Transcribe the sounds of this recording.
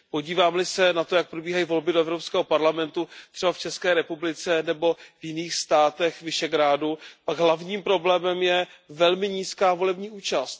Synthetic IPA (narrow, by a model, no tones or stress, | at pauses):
po̞ɟiːvaːmlɪsɛnat̪ojak̚pɾobiːɦajiːvo̞lbɪdoɛvɾopskɛːɦo̞paɾlamɛnt̪ut̪r̥ɛbaft͡ʃɛskɛːɾɛpublɪt͡sɛnɛbo̞vjɪniːxst̪aːt̪ɛxvɪʃɛɡɾaːdupaɡɦlavɲiːmpɾo̞blɛːmɛmjɛvɛlmɪɲiːskaːvo̞lɛbɲiːʔuːt͡ʃast̪